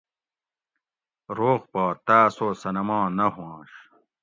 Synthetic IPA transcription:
ɾoːqpaːt̪aːsoːsɐnɐmãːnɐɦwãːɕ

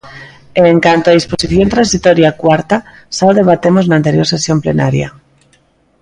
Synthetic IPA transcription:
eŋkant̪oað̞ispo̞siθjo̞nt̪ɾansit̪oɾjakwaɾt̪a | salðe̞β̞at̪emoznant̪e̞ɾjo̞ɾse̞sjo̞mplḛnaɾja̰

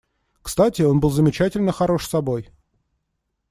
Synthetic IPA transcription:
kst̪atʲɪo̞nbɨlˠzəmʲɪt͡ɕætʲɪlʲnəxɐɾo̞ʂsɐbo̞j

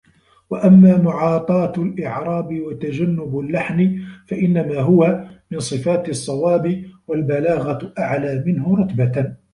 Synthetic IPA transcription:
waʔamːaːmʊʕɑːt̪ˤɑːt̪alʔɪʕɾˤɑːbɪwat̪ad͡ʒanːʊbalːaħnɪfaʔɪnːamaːɦʊwamɪnsˤɨfaːt̪ɨsˤːɑwaːbɪwalbalaːɣaʔaʕlaːmɪnɦʊɾˤɑt̪baa

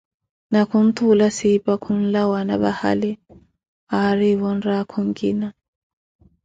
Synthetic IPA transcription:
nakʰun̩t̪ʰulasipakʰun̩lawanaβa̰ha̰li | aɾiβɔn̩ɾakʰɔŋɡina

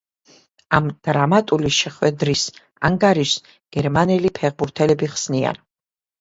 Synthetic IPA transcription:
amd̪̥ɾamat̪ʼuliʃɛχwɛd̪ɾis | a̰ŋɡaɾiʃ | ɡ̥ɛɾmanɛlipʰɛʁbuɾt̪ʰɛlɛbiχsnia̰n

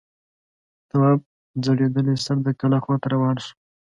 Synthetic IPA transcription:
t̪awɑb̚ | d͡zaɽed̪əlesaɾd̪əkalaxwat̪aɾawɑnʃu̥

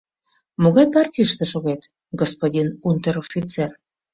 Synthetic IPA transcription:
moɣɑjpɑrtʲijʃt̪ĕʃoɣet̪ | ɡospodʲinunt̪eɾofʲit͡ser

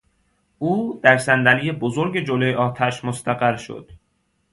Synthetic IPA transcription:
ʔuːd̪̥æɾsænd̪ælijebozoɾɟe̞d͡ʒolojeɒːt̪ʰæʃmost̪ʰæɣæɾʃo̰d̪̥

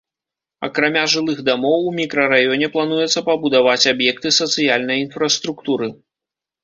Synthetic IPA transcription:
ɐ̰kɾamʲaʐɨlˠɨxd̪amɔwumʲikɾɐɾajɔnʲɛplˠanujɛt̪sːɐpɐbud̪avat͡sʲabjɛk̚t̪ɨsɐt̪sɨjalʲnɐjinfɾɐst̪ɾukt̪uɾɨ

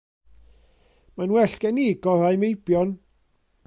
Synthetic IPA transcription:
manwɛɬɡ̥ɛniːɡɔðajmejbjɔn

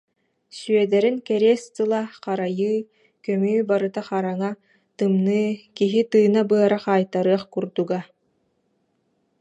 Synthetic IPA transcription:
syœd̪ɛɾiŋkɛɾeɛst̪ɯlˠaqaɾajɯː | kœmyːbaɾɯt̪aχaɾaŋa | t̪ɯmnɯːkiɦit̪ɯːnabɯɐɾaχaːjt̪aɾɯɐχkuɾd̪uɡa

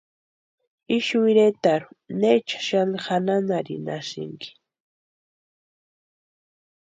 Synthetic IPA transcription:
ɪʃwɪɾet̪aɾʊnet͡ʃḁʃanhananaɾɪ̰na̰ʃɪ̰ŋkɪ̥

